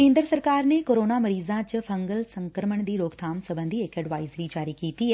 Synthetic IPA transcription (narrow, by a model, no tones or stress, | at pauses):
kẽːnd̪ɾəsɐɾkaːɾnekoːɾoːnamɐɾiːzãt͡ʃəfʰɐ̃ŋɡəlsɐ̃ŋkəɾməɳ̃d̪iːɾoːɡt̪ʰaːmsɐbə̃nd̪ʱiekɛɖʋaːɪzɾid͡ʒaːɾikiːt̪i